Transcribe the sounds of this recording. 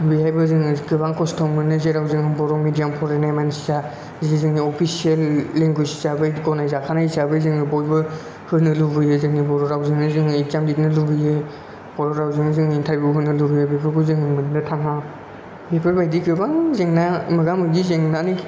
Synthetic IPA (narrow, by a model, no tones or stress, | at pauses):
bijajbɯzɯŋkʰɯbaŋkʰɔstʰɔŋmɯnɯzeɾawzɯŋɯbɔɾɔŋmidijampʰɔɾanajmansisa | zezɯŋniɔpʰisielːeŋɡusi̥sabɯjkɔnajzakʰanaisabɯjzɯŋnibɔjbɯ | hɯɾnɯlubɯjezɯŋnibɔɾɔɾawzɯŋnɯzɯŋizamdit̚nɯlubɯje | bɔɾɔɾawzɯŋzɯŋintʰaɾbuɦɯnɯlubɯjebepʰɯɾɡɔzɯŋɯmɯnnɯtʰaŋa | bepʰɯɾbajdiɡɯbaŋzeŋnamɯɡamɯɡizeŋnanɯk